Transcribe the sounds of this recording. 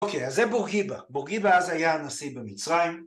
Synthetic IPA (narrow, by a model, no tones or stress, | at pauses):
okʰejazːɛbuʁɡibabuʁɡibaazajaanasibemit͡sʁaim